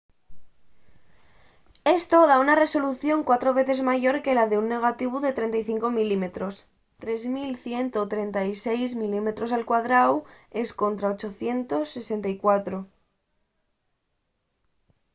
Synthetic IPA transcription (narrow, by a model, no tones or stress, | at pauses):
e̞st̪o̞ðaunare̞so̞luθjo̞ŋkwat̪ɾo̞βe̞θe̞zmaʝo̞ɾke̞laðe̞unːe̞ɣ̞at̪iβuðe̞t̪ɾe̞nt̪ajθiŋko̞milime̞t̪ɾo̞s | t̪ɾe̞zmilθje̞nt̪o̞t̪ɾe̞nt̪ajse̞jzmilime̞t̪ɾo̞salkwaðɾawe̞sko̞nt̪ɾao̞t͡ʃo̞θje̞nt̪o̞sːe̞se̞nt̪aikwat̪ɾo̞